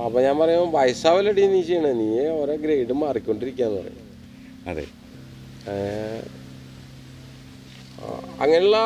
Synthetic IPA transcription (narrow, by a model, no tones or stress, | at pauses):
ɐpːoːɲaːnpɐrɐjuʋɐjsaːʋɐleɽinːiːt͡ɕːejɐɳɐniːeoɾeɡɾejɖɨmarikʲːo̞ɳɖiɾikʲːaːnːɨpɐ̰rɐ̰ju | ɐðḛ | ɐ̰ŋːɐneɭːɐ